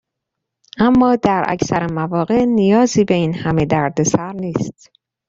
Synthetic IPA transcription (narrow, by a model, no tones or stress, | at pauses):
ʔæmːɒːd̪æɾʔæ̰cʰsæɾemævɒːɣe̞ʔnijɒːziːbe̞iːnhæme̞d̪æɾd̪e̞sæɾniːst̪